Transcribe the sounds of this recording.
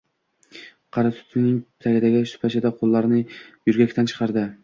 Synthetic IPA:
qʰɑɾɑt̪ʰʊ̥t̪ʰɪnɪŋ | t̪ʰaɡʲɪd̪aɡʲɪʃʊ̥pʰaʃɪd̪aqʰolˠːɑɾnɪjyɾɡʲækʲt̪ʰænt͡ʃʰɨ̥qʰɑɾd̪ɪ

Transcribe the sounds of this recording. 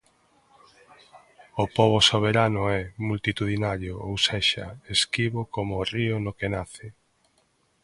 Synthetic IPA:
opoβosoβ̞eɾanʊɛmult̪it̪uðinaɾjoʔowseʃɐ̰eskiβokomoriʊnokenaθɪ

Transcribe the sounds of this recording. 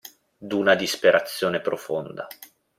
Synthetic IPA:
d̪unad̪ispeɾat̪sːjoːnepɾofond̪a

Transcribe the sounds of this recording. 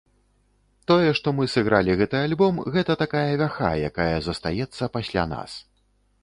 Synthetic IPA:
t̪ɔjɛʂt̪ɔmɨsɨɣɾalʲiɣɛt̪ɨjalʲbɔmɣɛt̪ɐt̪akajɐvʲaxa̰ja̰kajɐzɐst̪ajɛt̪sːɐpasʲlʲa̰na̰s

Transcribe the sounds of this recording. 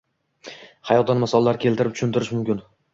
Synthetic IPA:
hɑajɒt̪̚d̪anmasɒlˠalaɾɪkʲʰelt̪ɪɾɪp̚t̪ʊ̥ʃɪnt̪ɪɾɪʃmʊmkʲɪn

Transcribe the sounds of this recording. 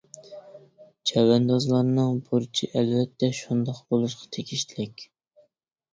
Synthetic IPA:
t͡ʃʰɛwɛnd̪ɑzlˠɑɾnɨŋbuɾt͡ʃʰiʔɛlvɛt̪ʰːɛʃund̪ɑqbolˠuʃqʰɑ̥t̪ʰekʲʰiʃt̪ʰɪlɪkʲ

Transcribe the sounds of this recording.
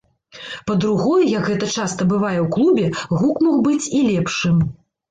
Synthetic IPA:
pɐd̪ɾuɣɔjɛjɐkɣɛt̪ɐt͡ʂast̪ɐbɨvajɛwklˠubʲɛɣukmɔxbɨt͡sʲilʲɛpʂɨm

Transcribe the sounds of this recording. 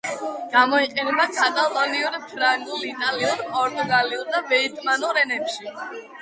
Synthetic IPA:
ɡ̥amɔiqʼɛnɛbakʼat̪ʼalˠɔniuɾpʰɾaŋɡlit̪ʼaliuɾpʼɔɾt̪ʼuɡaliulˠd̪abɛit̪ʰʼmanuɾɛnɛpʃi

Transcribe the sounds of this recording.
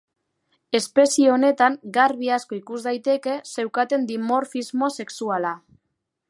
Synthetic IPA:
e̞spe̞sieo̞ne̞t̪aŋɡaɾβiasko̞ikuzd̪ajt̪e̞ke̞se̞wkat̪e̞nd̪imo̞ɾfizmo̞se̞ksuala

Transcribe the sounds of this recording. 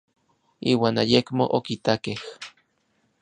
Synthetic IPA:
iːwaːnajekmoʔokit̪akeh

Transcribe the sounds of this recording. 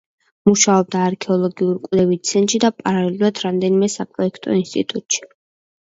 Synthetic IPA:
muʃaɔb̚d̪aːɾkʰɛɔlˠɔɡiuɾkʼwlɛvit̪sʰɛnt̪ʼʃid̪apʼaɾalɛluɾad̪ɾamd̪ɛnimɛsapʼɾɔɛkʰt̪ʼɔ̰inst̪ʼḭt̪ʼut̪ʼʃi̥

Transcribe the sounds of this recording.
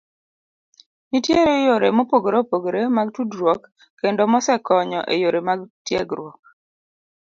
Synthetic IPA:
nitjeɾejoɾemopoɡɾopoɡɾemaɡtudɾwɔkː | endɔmɔsɛkɔɲɔ̰ʔejoɾemaɡtjḛɡɾwɔk̚

